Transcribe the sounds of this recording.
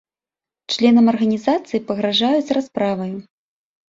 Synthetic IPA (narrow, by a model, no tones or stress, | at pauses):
t͡ʂlʲɛnɐmɐrɣɐnʲizat̪sɨjipɐɣɾaʐajuzʲɾaspɾavɐju